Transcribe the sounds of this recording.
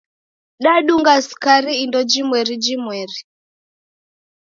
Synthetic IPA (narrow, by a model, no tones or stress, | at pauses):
ɗaɗuŋɡaskaɾiːndɔd͡ʒimwɛɾid͡ʒimwɛɾi